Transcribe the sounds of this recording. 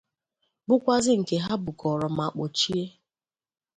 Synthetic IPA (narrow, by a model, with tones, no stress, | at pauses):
bʊ˦kʷa˦zɪ˦ŋ̩˨ke˨ɦa˦bʊ˨ɡɔ˨ɾɔ˨m̩˨a˨k͡po˨t͡ʃi˦e˦